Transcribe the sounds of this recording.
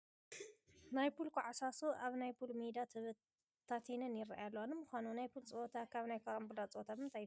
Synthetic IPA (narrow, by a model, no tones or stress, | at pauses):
najpʰulkʰuʕasasuʔaβnajpʰulmid̪at̪ʰɨβɨ | t̪ʰːat̪ʰinɨnjɪɾa̰ʔjalːowanɨmɨxʷanunajpʰult͡sʼɨot̪ʰakʰaβnajkʰambulat͡sʼot̪ʰaβɨnt̪ʰaj